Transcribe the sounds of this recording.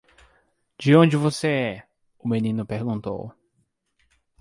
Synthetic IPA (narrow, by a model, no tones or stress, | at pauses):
d͡ʒɪõd͡ʒɪvoseɛ | ʊmẽnĩnʊpeɾɡũnt̪o̰w